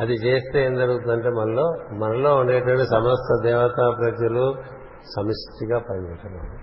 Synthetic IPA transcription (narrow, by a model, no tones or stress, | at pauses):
ɐd̪it͡ʃe̞ːst̪eeːnd͡ʒɐɾuɡut̪und̪ɐɳʈe̞ːmɐnɐlo̞ːmɐnɐlo̞ːuɳɖeːʈ̬ɐʋɐɳʈːesɐmɐst̪ʰɐd̪ɛːʋɐt̪aːpɾɐd͡ʒɐlu | sɐmɐʂt̪iɡaːpɐjd͡ʒɛʈːɐnːa̰ː